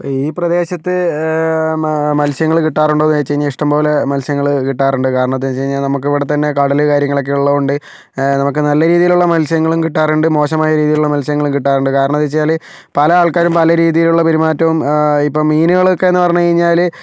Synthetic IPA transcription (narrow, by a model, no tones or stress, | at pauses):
poiːprɐd̪e̞ːɕɐt̪ːɨ | mɐlsjɐŋːɐɭkiʈːaːruɳɖoːnːet͡ɕːejiɲːaiʂʈɐmpo̞ːle̞mɐlsjɐŋːɐɭkiʈːaːruɳɖɨkaːɾɐɳɐmɐt̪ːenːt͡ɕejiɲːaːlnɐmukːiʋiɽet̪ɐnːe̞kɐɽɐlɨkaːɾjɐŋːɐɭo̞kːeuɭːɐðuɳɖɨ | nɐmuk̬ːɨnɐlːɐɾiːðijiluɭːɐmɐlsɐjɐŋːɐɭumkiʈːaːruɳɖɨmo̞ːɕɐmaːjɐɾiːðijiluɭːɐmɐlsɐjɐŋːɐɭumkiʈːaːruɳɖɨkaːɾɐɳɐt̪ðit͡ɕːejaːl | pɐlɐaːɭkaːɾumpɐlɐɾiːðijiluɭːɐpɐɾimaːtːɐʋumipːo̞ːmiːnuɣɐɭokːe̞enːɨpɐrɐɲːut͡ɕejiɲːaːl